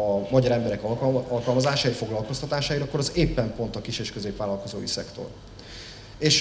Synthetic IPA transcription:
ɒmɒɟɒɾɛmbɛɾɛkɒlɒlkɒlmɒzaːʃaːifo̞ɡlɒlko̞st̪ɒt̪aːʃaːiɾɒkːo̞ɾɒzeːpːɛmpo̞nt̪ɒkiʃeːʃkø̞zeːpʋaːlɒlko̞zo̰ːisɛkt̪o̰r | eːʃ

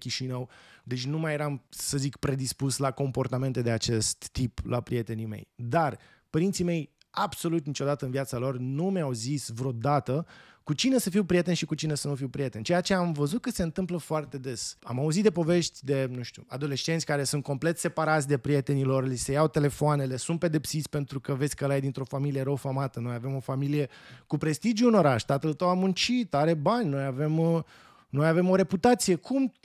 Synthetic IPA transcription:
kʲiʃinəwd̪e̞t͡ʃʲnumajeɾamsəzikpɾe̞d̪ispuslako̞mpo̞rt̪ame̞nt̪e̞d̪e̞at͡ʃe̞st̪ːiplʔa̰pɾije̞t̪e̞nime̞̰jd̪ar | pəɾint̪sime̞j | abso̞lut̪nit͡ʃo̞d̪at̪əɨnviat̪salo̞rnumeawzisvɾod̪at̪ə | kut͡ʃine̞səfiwpɾʲije̞t̪eʃikut͡ʃinesənufiwpɾije̞t̪e̞nt͡ʃejat͡ʃeamvəzut̪̚kəse̞ɨnt̪ɨmpləfoart̪e̞d̪e̞sa̰mauzit̪d̪epo̞ve̞ʃt̪ʲd̪e̞nuʃt̪ua̰d̪o̞le̞st͡ʃe̞nt̪sʲkaɾe̞sunt̪̚ko̞mple̞t̪se̞paɾat̪sʲd̪e̞pɾije̞t̪e̞nilo̞rlise̞jawt̪e̞le̞foane̞le̞sunt̪̚pe̞d̪e̞psit̪sʲpe̞nt̪ɾukəvesʲkəlajd̪int̪ɾo̞familije̞ɾəwfamat̪əno̞jave̞mo̞familije̞kupɾe̞st̪id͡ʒjuːno̞ɾaʃt̪at̪əlt̪əwamːunt͡ʃit̪aɾe̞banʲno̞jave̞m | no̞jave̞mo̞ɾe̞put̪at̪sije̞kʰum

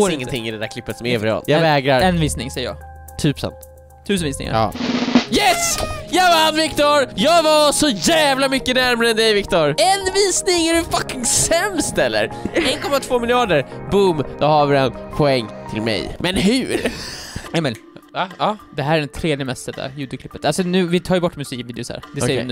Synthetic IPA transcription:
oːɾɪɪ̃nŋːənt̪ʰɪŋːɪd̪ɛd̪æɾkʰlɪpːət̪sɔmɛvɾɛɑ̰ljɑvɛːɡɾaɾɛnviːsnɪ̰ŋsɛjːəjɑ̰ːɡ | t̪ʰːyːpsɛ̰nt̪ | t̪ʰʉ̟ːs̬ənviːsnɪ̰ŋa̰ | jɛsjɑvaanvɪkt̪ɔɾjɑːɡvasɔjævlamʏkːənæɾmaɾəɛnd̪ɛjvɪkt̪ɔɾɛnviːsnɪŋæɖɵfakːɪŋsɛmst̪ɛlːə̰ɾɛnkʰɔmːat̪ʰv̥oːmɪljɑːd̪əɾbʊmd̪̥ɔhavɪɾɛnpʰɔɛŋːt̪ʰɪlmɛ̰jmɛnɦʉːɾ | ɛmɛl | vaɑːd̪ɛɦæːɾæɖɛnt̪ʰɾeːd̪ɪəmɛst̪ɛd̪a̰jʉːd̪ʰɪklɪpːət̪alsɔnʉ̟ːvɪt̪ʰɑːjʏbɔʈːmɵsiːkviːd̪ɪʊsæ̰ːɾd̪ɛsɛjːɾɪnː

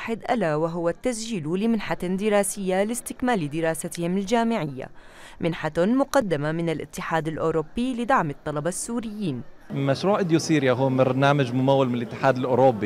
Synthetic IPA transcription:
ħɪd̪ʔalawaɦʊwat̪ːas̬d͡ʒiːlulɪmɪnħad̪ɪɾɑːsɪjːalɪst̪ɪkmaːlid̪ɪɾˤɑːsat̪ɪhɪmɪld͡ʒaːmɪʕɪjːa̰ | mʔɪnħat̪mʊqɑd̪ːamamɪnɪlʔɪ̰t̪ːɪħaːd̪alʔoːɾʊbːilɪd̪aʕmɑt̪ˤːɑlɑbɑsːuːɾɪjːiːn | maʃɾuːʕʔɪd̪jusiːɾjaɦʊːbɑɾˤnaːmad͡ʒmʊmawːalmɪnɪlʔɪt̪ːɪ̥ħaːd̪alʔoːɾobːi

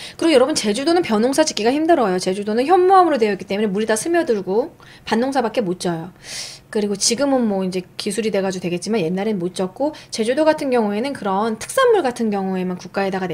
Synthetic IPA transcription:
kɯɾiɡojʌɾʌbɯnt͡ɕe̞d͡ʑudonɯnpjʌnoŋsʰad͡ʑi̥k͈iɡaçimdɯɾʌjot͡ɕe̞d͡ʑudonɯnçjʌnːuʌmɯɾodwe̞jʌik͈i̥t͈e̞muɲe̞muɾidasʰɯmjʌdɯɭɡo | panːoŋsʰabak͈e̞mot̚t͡ɕ͈ʰʌjokɯɾiɡot͡ɕiɡɯmɯnmwʌind͡ʑe̞kisʰuɾidwe̞ɡad͡ʑodwe̞ɡe̞t̚t͡ɕ͈imanjenːaɾemot̚t͡ɕ͈ʌk̚k͈ot͡ɕe̞d͡ʑudoɡatʰɯnɡjʌŋue̞nɯnkɯɾʌntʰɯ̥k̚s͈anmuɭɡatʰɯnɡjʌŋue̞mankuk͈aedaɡa

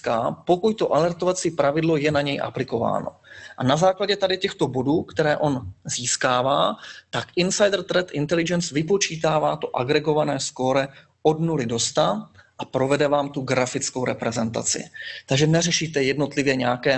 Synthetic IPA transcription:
kapo̞kuct̪o̞ʔalɛɾt̪ovat͡siːpɾavɪdlo̞jɛnaɲɛjʔa̰plɪko̞va̰ːno̞̰ʔanazaːklaɟɛt̪adɪcɛxt̪o̞bo̞duːkt̪ɛɾɛːʔo̞nziːskaːvaːt̪akʔɪnsajd̪r̩t̪ɾɛt̪ʔɪnt̪ɛlɪd͡ʒɛnsvɪpo̞t͡ʃiːt̪aːvaːt̪o̞ʔaɡɾɛɡo̞vanɛːsko̞ɾɛ | o̞dnulɪdo̞st̪aʔapɾo̞vɛdɛvaːmt̪uɡɾafɪt͡skowɾɛpɾɛzɛnt̪a̰t͡sɪ̰t̪aɡʒɛnɛrɛʃiːt̪ɛjɛdno̞t̪lɪvjɛɲɛakɛː

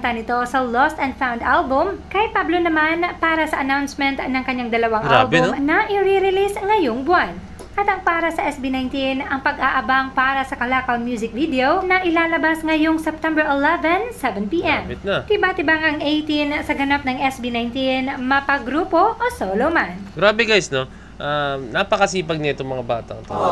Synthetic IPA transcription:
nt̪ɐnɪt̪o̞sɐlost̪ɐ̃nd̪fawnd̪ʔalbʊmkɐjpablonɐmanpaːɾɐsɐʔɐnawnsmɛnt̪nɐŋkɐɲːaŋd̪ɐlɐwaŋʔa̰lbʊmnɐʔɪɾiɾɪlisŋɐjoŋbʊan | ʔɐt̪ɐŋpaːɾɐsɐʔɛsbinajnt̪inɐŋpɐɡʔaʔɐbaŋpaːɾɐsɐkɐlakɐlmjuːzɪk̚vid̪ɛownɐʔɪlaːlɐbasŋɐjoŋsɛp̚t̪ɛmbɛɹʔɛlɛvɛnsɛvɛnpiːʔɛmt̪nɐt̪ɪbaːt̪ɪbaŋʔɐŋʔejt̪insɐɡɐnap̚nɐŋʔɛsbinajnt̪inmɐpɐɡɾuːpo̞ʔosoːlowmanɡɾaːbɛɡajsno̞ | ʔanaːpɐkɐsiːpɐɡ̚nɐɛt̪oŋmɐŋaba̰ːt̪ɐ̰ɐt̪o̰

